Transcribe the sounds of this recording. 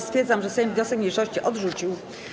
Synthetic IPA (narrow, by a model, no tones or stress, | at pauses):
st̪fʲjeɾd̪zamʐɛsɛjvɲɔsɛkmɲejʂɔɕt͡ɕiʔɔd̪ʐut͡ɕiw